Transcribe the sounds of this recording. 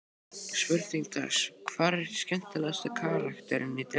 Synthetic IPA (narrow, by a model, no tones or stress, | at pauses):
svʏɾθiŋt̪ʰa̰skʰv̥aːɾɛɾscɛn̥t̪alast̪akʰaːɾakt̪ɛɾɪnit̪ɾ